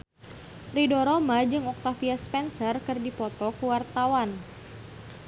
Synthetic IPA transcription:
ridɔɾɔmad͡ʒɨŋɔk̚t̪afiaspɛnsərkɨrdipɔt̪ɔkuwart̪awan

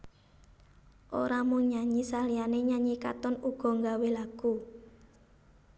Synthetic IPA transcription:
ʔo̰ɾamʊŋɲaɲisalijaneɲaɲika̰t̪ɔnuɡ̥ɔ̤ŋɡawelaɡ̥u

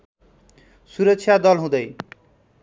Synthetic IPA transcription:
suɾʌksʰjad̪ʌlɦũd̪ʌj

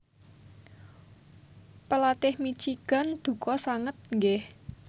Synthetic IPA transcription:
pəlat̪ɪhmit͡ʃiɡ̥a̤nd̪̥ṳkɔsaŋət̪̚ŋɡɛh

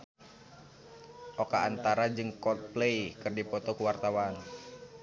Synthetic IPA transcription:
ʔɔkaːnt̪aɾad͡ʒɨŋkɔt̪̚plejkɨrdipɔt̪ɔkuwart̪awan

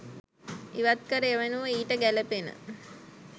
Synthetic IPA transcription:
iʋat̪̚kəɾəeʋenuʋəiːʈəɡæləpenə̰

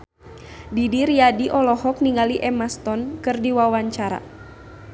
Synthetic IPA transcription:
didiɾiadiʔɔlɔhɔk̚niŋaliʔɛmast̪ɔnkɨrdiwawaɲt͡ʃaɾa̰

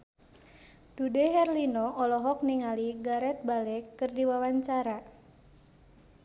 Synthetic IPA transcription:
d̥udeɦɛrlinɔʔɔlɔɦɔk̚niŋaliɡaɾɛt̪̚balɛkɨrdiwawaɲt͡ʃaɾa

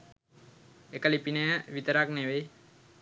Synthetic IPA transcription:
ekəlipinejəʋit̪əɾakneʋej

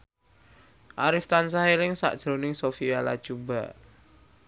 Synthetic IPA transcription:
ʔaɾɪft̪ans̬aɦelɪŋsa̰ʔd̥ʒ̥ɾonɪŋsofiala̰d̥ʒ̥ubaʔ

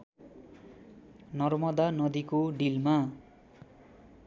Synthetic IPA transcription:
nʌrmʌd̪anʌd̪ikoɖilma

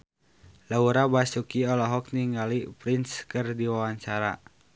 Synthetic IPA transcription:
lauɾabasukiɔlɔɦɔk̚niŋɡalipɾinskɨrdiwawaɲt͡ʃaɾa̰

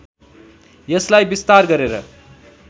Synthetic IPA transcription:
jʌslajbist̪aɾɡʌɾeɾʌ

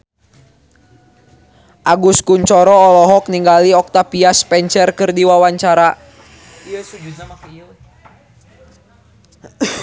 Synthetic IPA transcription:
ʔaɡuskuɲt͡ʃɔɾɔːlɔɦɔk̚niŋɡaliɔk̚t̪apiaspɛɲt͡ʃərkərdiwawaɲt͡ʃaɾa | iəsud͡ʒut̪̚ɲamak

